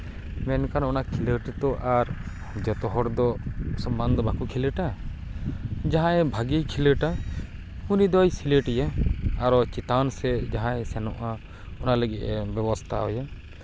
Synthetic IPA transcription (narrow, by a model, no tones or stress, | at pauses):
mɛnkanɔnakʰiləʈt̪ɔʔaɾ | d͡ʒɔt̪ɔɦɔɾd̪ɔsɔmband̪ɔbakukʰiləʈa | d͡ʒaɦãɛ̃bʱaɡikʰiləʈa | unid̪ɔjsiləʈjaaɾɔt͡ʃit̪ansɛd͡ʒaɦãɛ̃sɛnɔ̰ʔa | ɔnaləɡɛʔɛbɛbɔst̪ʰa̰ɔja